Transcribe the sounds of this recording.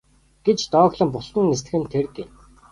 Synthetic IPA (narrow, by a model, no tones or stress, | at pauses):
ɡ̥et͡ɕt̪ɔːɣɮə̆mpʊɮɘ̆ŋest̪ɡɘ̆nt̪ʰerken